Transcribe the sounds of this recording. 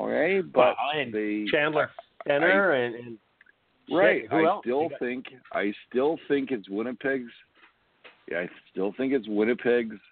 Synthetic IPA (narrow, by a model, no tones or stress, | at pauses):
o̰kʰeɪb̥ʌtaɪɨ̃nðɨt͡ʃʰæ̃ndlə˞sɛ̃nə˞ɨ̃nɨ̃n | ɹaɪt̚hɪɛlstɪlˠθɪ̃ŋkʔa̰ɪstɪlˠθɪ̃ŋkɨtswɪ̃ñɨpʰɪɡz̥ | a̰ɪstɪlˠθɪ̃ŋkɨtswɪ̃ñɨpʰɪɡz̥